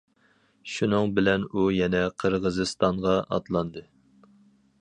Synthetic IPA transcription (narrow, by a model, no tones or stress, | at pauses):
ʃunɨŋbɪlɛnujɛnɛqʰəɾʁəzɨst̪ɑɴʁɑʔɑ̰t̪lˠɑnd̪ɨ